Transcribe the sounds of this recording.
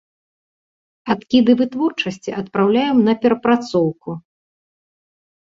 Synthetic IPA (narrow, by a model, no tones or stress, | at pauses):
at̪kʲid̪ɨvɨt̪vɔrt͡ʂɐsʲt͡sʲiʔɐt̪pɾawlʲajɛmnɐpʲɛɾɐpɾat̪sɔwku